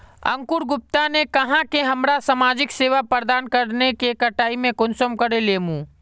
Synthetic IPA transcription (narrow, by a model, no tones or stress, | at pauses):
ɐ̰̃ŋkʊɾɡʊp̚t̪anekɐɦãkeɦɐmɾasamaːd͡ʒɪkseːʋapəɾd̪aːnkəɾnekekəʈaːimẽkʊnsəmkəɾeleːmũː